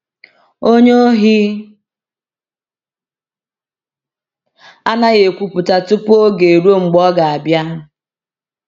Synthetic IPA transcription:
o˦ɲe˦o˦ɦi˦ | a˦na˦ɣe˨kʷu˨pʊ˨ta˨tʊ˦po˦ɡe˨ɾo˦ŋ͡m̩˨ɡ͡bɔ˦ɡa˨a˨bja˦

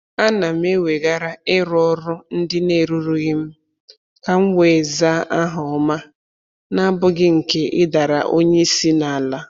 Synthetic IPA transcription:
a˦na˨m̩˦e˦wʷe˨ɡa˦ɾa˦ɪ˦ɾɔ˦ɾʊ˦n̩˦dɪ˦ne˦˨ɾu˦ɾu˦ɣɪ˦m̩˦ | ka˨ŋ̩˦wʷe˨za˦ʔa˦ɦʊ˨ɔ˨˦ma˦ | na˦bʊ˦ɡɪ˦ŋ̩˨ke˦ʔɪ˦da˨ɾa̰˨ʔo˦ɲe˦si˦na˨a˨la˦

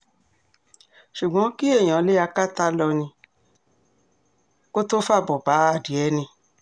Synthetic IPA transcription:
ʃu˨ɡ͡bɔ̃˨˦ki˦e˦˨j̃ã˨˦le˦a˧ka˦ta˦lɔ˧nĩ˧ | ko˦to˦fa˦˨bɔ˨ba˨˦a˦˨di˨˦ɛ˨˧˦nĩ˧

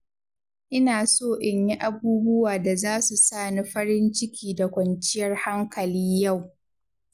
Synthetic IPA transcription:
ʔɪ˦naː˨soː˦˨ʔɪ˨ɲji˦ʔa˨buː˦bʊ˦waː˨da˨zaː˦su˨saː˦˨ni˦ɸɐ˦ɾɪ˦nt͡ʃɪ˦kʲiː˨da˨kʷɐ˨nt͡ʃɪ˦jɐ˦rha˦ŋkɐ˨liː˦ja˦˨w

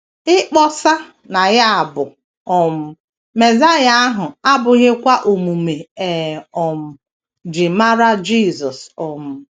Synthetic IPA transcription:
ɪ˦k͡pɔ˦sa˦ | na˨ɣa˦a˨bʊ˨ | ɔ˨m̩˨ | me˨za˦ja˦a˦ɦʊ˨a˦bʊ˨ɣe˦kʷa˦ʔo˨mu˨me˨ɛ˨ɔ˨m̩˨ | d͡ʒɪ˨ma˦ɾa˦d͡ʒi˦˨zɔ˨sɔ˨m̩˨

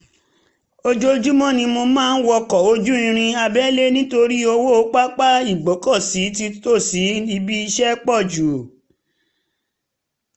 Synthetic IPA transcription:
o˧d͡ʒo˦d͡ʒu˦mɔ̃˦˨nĩ˧mo˧mãː˦˧n̩˦wɔ˧kɔ˨o˧d͡ʒũ˦ĩ˧ɾ̃ĩ˧a˧bɛ˦le˦nĩ˦to˧ɾi˦o˧wo˦o˦k͡pa˦k͡pa˦i˦˨ɡ͡bɔ˨˦kɔ˦˨si˨˦ti˧to˦˨si˨˦i˧bi˦i˧ʃɛ˦k͡pɔ˦˨d͡ʒu˨

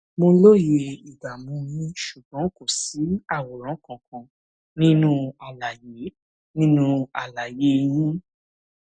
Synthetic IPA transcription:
mo˧lo˦ji˨e˧i˨ɡa˨mũ˨˧˦jĩ˦ʃu˨bɔ̃˨˦ko˦˨si˨˦a˦˨wɔ˨ɾ̃ã˨˦kɔ̃˨kã˧ | nĩ˦nũ˦a˨la˨je˨˦ | nĩ˦nũ˦a˨la˨je˨˦˧j̃ĩ˦

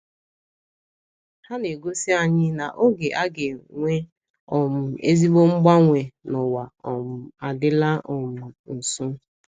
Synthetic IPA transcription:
ha˦ne˨ɡo˦si˦a˨ɲɪ˦na˨ʔo˦ɡe˨ʔa˦ɡe˨ŋʷe˦ | ɔ˨mʊ˨ḛ˦zi˦ɡ͡bo˦ŋ͡m̩˦ɡ͡ba˦ŋʷe˨nʊ˨wa˨a˨dɪ˦la˦ɔ˨mʊ˨n̩˨sʊ˦

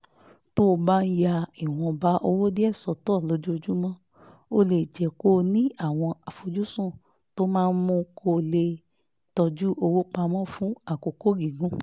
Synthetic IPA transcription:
to˦o˧ba˦n̩˦ja˧i˨w̃ɔ̃˧ba˦ʔo˧wo˦di˦ɛ˦˨sɔ˨tɔ˦˨lo˨˦d͡ʒu˦o˧d͡ʒu˦mɔ̃˦ | o˧le˨d͡ʒɛ˨ko˦nĩ˦a˦˨w̃ɔ̃˧a˨fo˧d͡ʒu˦sũ˦˨ | to˦mãː˦˧n̩˦mũ˧kʰo˧˨le˧ | tɔ˧d͡ʒu˦ʔo˧wo˦k͡pa˧mɔ̃˦fũ˦a˦˨ko˨ko˦ɡi˨ɡũ˦

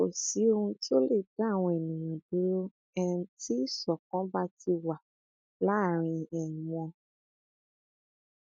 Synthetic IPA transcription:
o˨si˨˦o˧ɾũ˧ti˦o˦le˦˨da˦˨w̃ɔ̃˧ɛ˨nĩ˨j̃ɔ̃˨do˨˦ɾo˦ | ɛ˦˧ũ˧ti˦˨sɔ˨kɔ̃˨˦ba˦ti˧wa˨ | la˨˦˨ɾ̃ĩ˧ɛ˨nĩ˨w̃ɔ̃˧

